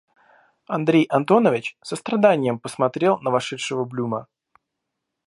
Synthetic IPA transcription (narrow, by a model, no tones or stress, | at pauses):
ɐnd̪ɾʲejʔɐnt̪o̞nəvʲɪt͡ɕsəst̪ɾɐd̪anʲɪjəmpəsmɐt̪ɾʲe̞lˠnəvɐʂɛtʂəvəblʲumə